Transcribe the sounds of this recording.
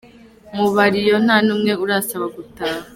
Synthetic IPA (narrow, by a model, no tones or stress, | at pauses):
muβaɾijo̞n̥aːnuːmŋe̞uɾaːsaβaɡutaːɦa